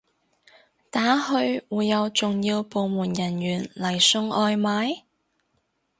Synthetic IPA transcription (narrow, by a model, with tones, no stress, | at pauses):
t̪aː˨˥hɵ˧ɥwuː˨jjɐ˨˧wt͡sʊ˨ŋjiː˧wpo˨˧wmuː˨˩njɐ˨˩njyː˨˩nlɐ˨˩jsɵ˧ŋɔː˧jmaː˨˥j